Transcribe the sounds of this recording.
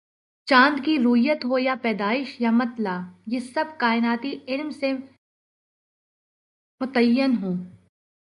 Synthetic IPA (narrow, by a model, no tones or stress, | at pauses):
t͡ʃãːnd̪kiɾʊɪjət̪ɦojapɛːd̪aːɪʃjamɐt̪laːjesɐb̚kaːɪnaːt̪iɪlmse | mʊt̪əjːənɦoː